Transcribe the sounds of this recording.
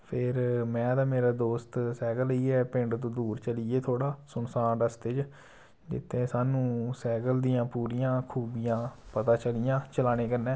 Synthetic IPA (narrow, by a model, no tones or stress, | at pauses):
pʰɪɾmɛ̃ːd̪aːmeːɾaːd̪oːst̪sɛːɡələiːɛːpɪ̃ɳɖt̪õːd̪uːɾt͡ʃəliːeːt̪ʰoːɽaːsʊnsaːnɖəst̪ed͡ʒ | d͡ʒɪ̰t̪ʰːẽːsaːnũːsɛːɡəld̪ijãːpuːɾijãːkʰuːbijãːpət̪ãːt͡ʃəlɪjãːt͡ʃəlaːñeːkəɾnɛː